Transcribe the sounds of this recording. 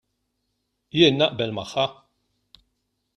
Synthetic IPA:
jɪːnːɐʔbɛlmɐħːɐ

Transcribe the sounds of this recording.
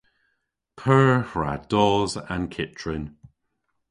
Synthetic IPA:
pʰɜːhɹa̰d̥ɔːzã̰nkʰɪtʰɹɪn

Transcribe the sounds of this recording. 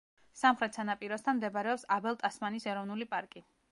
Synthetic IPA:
samχɾɛt̪ʰsanapʼiɾɔst̪ʰanmd̪ɛbaɾɛɔpsabɛlˠt̪ʼasmanisɛɾɔvnulipʼaɾkʼi

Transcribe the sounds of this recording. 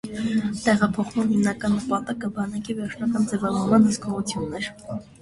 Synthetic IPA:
t̪ɛʁɑpʰɔχmɑnhimnɑkɑnːəpɑt̪ɑkəbɑnɑkivɛɾt͡ʃʰnɑkɑnd͡zɛvɑvɔɾmɑnhəskɔʁut͡sʰjunːɛɾ

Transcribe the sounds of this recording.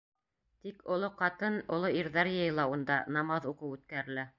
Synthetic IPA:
t̪ikŏlˠoqɑt̪ɤnŏlˠoiɾðæɾjɤ̆jlˠɑund̪ɑnɑmɑðuqɤwʉt̪kæɾɘ̆læ

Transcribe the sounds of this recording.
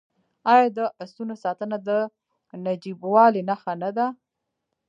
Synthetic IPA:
ɑjɑd̪əʔast̪unosɑt̪ənad̪ə | nad͡ʒibwɑlenaxanad̪a

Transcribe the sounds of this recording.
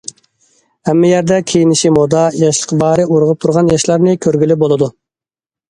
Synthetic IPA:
hɛmːɛjæɾd̪ɛkʲʰejinɪʃimod̪ɑjɑʃlˠəqbɑːɾɪʔuɾʁəp̚t̪ʰuɾʁɑnjɑʃlˠɑɾnɨkʲʰøɾɡʲylɪbolˠɨd̪u

